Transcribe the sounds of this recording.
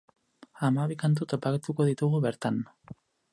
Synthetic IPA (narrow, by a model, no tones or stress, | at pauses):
amaβikant̪̬ut̪o̞paket̪uko̞ðit̪uɣ̞uβeɾt̪an